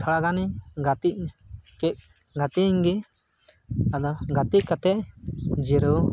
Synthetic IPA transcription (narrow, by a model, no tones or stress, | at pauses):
tʰaɽaɡaniɡat̪iʔkɛʔ̚ | ɡat̪iɲɡɛ | ad̪ɔɡat̪iʔ̚kat̪ɛʔd͡ʒiɾu